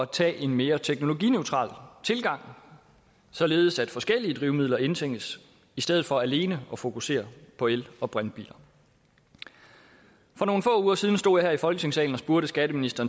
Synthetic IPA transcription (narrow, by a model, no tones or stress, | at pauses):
t͡sʰɛ̰ːʔe̝nme̝ːɐt͡sʰeɡ̥no̝lo̝ɡḭnøʊt͡sʰʁɑ̰̈ːlt͡sʰe̝lɡ̥ɑ̈ŋ̰ | sɒ̽le̝ːð̞̩ˠəsæd̥fɒ̽sɡ̥el̰iəd̥ʁiʊmiðˠlɐe̝nt͡sʰeŋ̰̥əs | isd̥eð̞̰̩ˠfɒ̽æle̝ːnəɒ̽fo̝kʰuse̝̰ːɐpʰɒ̽elɒ̽b̥ʁanb̥ḭːlɐ | fɒ̽no̝ːn̩fɔ̰̽ːuːɐsiːð̞ˠn̩sd̥o̝̰jɑ̈hæɐifɒ̽lɡ̥ə̥t͡sʰe̝ŋsɛ̰ːln̩ɒ̽sb̥uɐɾ̥əsɡ̥æɾ̥əminisd̥ɐːn